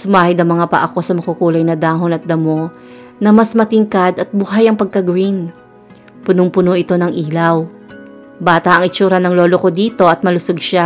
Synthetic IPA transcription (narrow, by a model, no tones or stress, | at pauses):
sʊmaːhɪd̪ɐŋmɐŋapɐ̰ʔɐko̞sɐmɐkukuːlɐjnɐd̪aːɦonɐt̪̚d̪ɐmo̞ | nɐmɐsmɐt̪ɪŋkad̪ɐt̪̚bʊɦajɐŋpɐɡ̚kɐɡwin | pʊnoŋpʊnoʔɪt̪o̞nɐŋʔiːlɐw | baːt̪ɐʔɐŋɪt͡ʃuːɾɐnɐŋloːloko̞d̪iːt̪o̞ʔɐt̪̚mɐlʊsoɡ̚ʃa